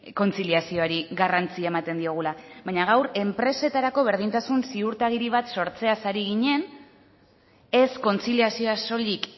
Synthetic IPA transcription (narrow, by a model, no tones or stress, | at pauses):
ko̞nt͡siliasio̞aɾiɣarant͡siaemat̪e̞nd̪io̞ɣ̞ulaβajɲaɣ̞awre̞mpɾe̞se̞t̪aɾako̞β̞e̞ɾð̞int̪asunsiuɾt̪aɣiɾiβ̞at̪so̞ɾt͡se̞asaɾiɣiɲe̞n | e̞sko̞nt͡siliasio̞aso̞lik